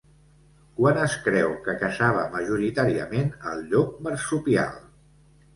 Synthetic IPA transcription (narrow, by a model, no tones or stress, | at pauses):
kwanəskɾɛwkəkəsaβ̞əməʒuɾit̪aɾiə̰menə̰lˠʎɔk̚məɾsupia̰lˠ